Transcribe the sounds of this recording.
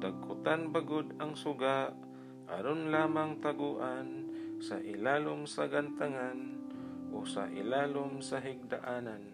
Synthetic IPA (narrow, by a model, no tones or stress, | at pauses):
d̪aɡ̚kʊt̪anbaɡod̪aŋsʊɡaʔ | ʔa̰ɾonlaːmaŋt̪aɡuʔansaʔɪlaːlʊmsaɡant̪aŋanʔosa̰ʔɪlaːlomsaɦɪɡ̚d̪aʔaːnan